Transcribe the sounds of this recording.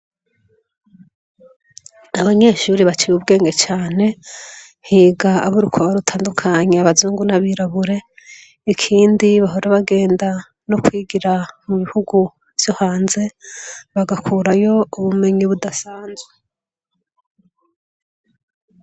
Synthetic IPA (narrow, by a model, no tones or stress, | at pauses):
aβaɲe̞ʃuɾiβat͡ʃijub̚ɡe̞ːŋɡet͡ʃaːne̞n̥hiːɡaːβuɾukʰaβaɾutʰaːndukʰaɲeaβazuːŋɡunaβiɾaβuɾe̞ | ikʰiːndiβaɦoɾaβaɡe̞ːnda | nokwiːɡiɾamuβihuɡu | vjo̞haːnze̞βaɡakʰuɾajo̞uβume̞ɲiβudasaːnzwe